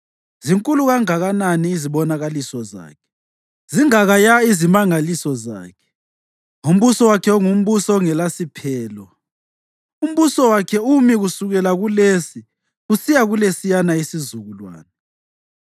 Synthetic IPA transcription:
ziŋkʼuluɣaŋaɣananiːziɓɔnaɣalisɔza̰ːkʰɛ̥ | ziŋaɣajaizimaŋalisɔza̰ːkʰɛɛ̥ | um̩βusɔwakʰɛɔŋum̩βusɔɔŋɛlasipʰɛːlɔ | um̩βusɔwakʰɛumiɣusuɣɛlaɣulesi | usijaɣulesijanaisizuɣulwa̰ːna

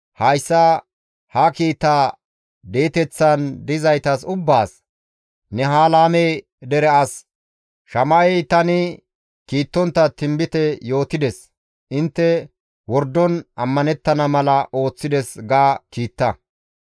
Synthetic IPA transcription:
hɐjsːɐ | hɐkiːt̪ːaː | d̪e̞ːt̪ɛt͡sːɐnd̪ɪzɐjt̪ɐsʊbːaːs | nɛɦaːlaːmej | d̪ɛɾɛʔɐs | ʃɐmɐɛjt̪ɐnɪ | kiːt̪ːɔnt̪ːɐt̪ɪmbɪt̪ɛjo̞ːt̪ɪd̪ɛs | ʔɪnt̪ːɛ | wɔɾd̪ːɔnʔɐmːɐnɛt̪ːɐnɐmɐlɐʔo̞ːt͡sːɪd̪ɛsɡaːkiːt̪ːɐ

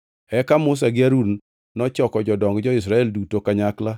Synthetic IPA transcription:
ɛkamʊs̬aɡɪaɾun | nɔt͡ʃɔkɔd͡ʒɔdɔŋɡd͡ʒɔɪs̬ɾaɛldutokaɲakla

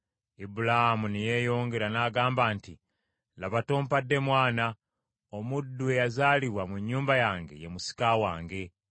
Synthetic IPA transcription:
ibulahamunije̞ːjo̞ːŋɡe̞ɾanaːɡaːmbaːnti | laβatoːmpadːe̞mwaːna | omudːuejazaːliβwamuɲːuːmbajaːŋɡe̞̰jemusi̥kawaːŋɡe̞

